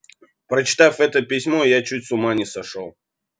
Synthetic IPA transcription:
pɾət͡ɕɪ̥t̪afɛt̪əpʲɪsʲmojat͡ɕut̚ʲsʊmanʲɪsɐʂolˠ

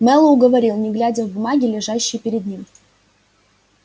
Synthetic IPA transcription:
mɛlˠəʊɡəvɐɾʲilˠnʲɪɡlʲædʲəvʊmaɡʲɪlʲɪʐaɕːɪjpʲɪɾʲɪd̪̚nʲim

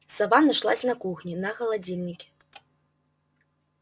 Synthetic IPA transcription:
savanaʂlˠasʲnɐkuxnʲinɐɣɐlˠad͡zʲilʲnʲikʲi̥

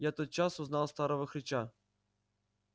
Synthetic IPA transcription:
jaɛt̪ət̪̚t͡ɕasʊznalˠst̪aɾəvəxɾʲɪt͡ɕa

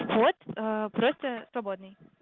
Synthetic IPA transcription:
vot̪əpɾost̪əsvɐbod̪nɨj

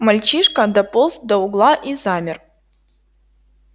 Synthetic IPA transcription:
mɐlʲt͡ɕiʂkəd̪ɐpolˠs̚d̪ɐʊɡlˠaʔizamʲɪr

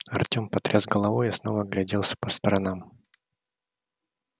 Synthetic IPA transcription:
ɐrtʲo̞mpɐt̪ɾʲʔazɡəlˠɐvojɪsno̞vəɡlʲɪdʲelˠsʲə̥pəst̪əɾɐnam

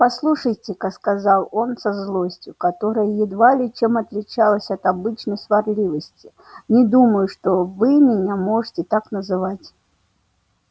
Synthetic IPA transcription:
paslˠuʂɐjt͡sʲɪkakskazalˠɔnsɐzlˠɔsʲt͡sʲʊkat̪ɔɾɐjɐjɛd̪valʲit͡ʃɛmɐt̪lʲɪt͡ʃalˠɐsʲɐt̪abɨt͡ʃnəjsvarlʲivɐsʲt͡sʲi | nʲɛd̪uməjʊʂt̪ɔvɨmʲɪnʲamɔʐɨtʲɛt̪aknɐzɨvat͡sʲ

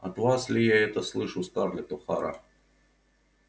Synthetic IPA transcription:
ɐ̰t̪vaslʲɪjaɛt̪əslˠɨʂust̪arlʲɪt̪ɔxa̰ɾa̰

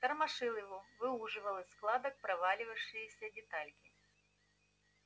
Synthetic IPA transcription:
t̪ɐrmaʂɨlˠɨvʊvɨuʐɨvɐlˠɨsklˠad̪ɐk̚pɾɐvalʲɪvɐʂɨjisʲɐdʲɪt̪alʲkʲɪ

